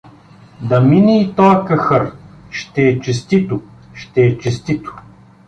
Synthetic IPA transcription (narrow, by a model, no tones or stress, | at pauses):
d̪ɐminiːt̪ɔɐkɐxɤɾʃt̪ɛːt͡ʃɛst̪it̪ʊ | ʃt̪ɛːt͡ʃɛst̪it̪ʊ̥